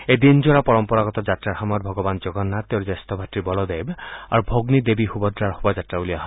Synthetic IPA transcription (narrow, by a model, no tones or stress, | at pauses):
ed̪ind͡ʒoɾapɔɹɔmpɔɾaɡɔt̪ɔd͡ʒatɾaɾxamɔɾbʱɔɡɔband͡ʒoɡɔnːat̪ewɾd͡ʒast̪ɔbʱatɹibɔlɔd̪ejba̰ɾubʱoɡnid̪ebixubɔd̪ɾaɹhobad͡ʒatɾabuliaɦɔ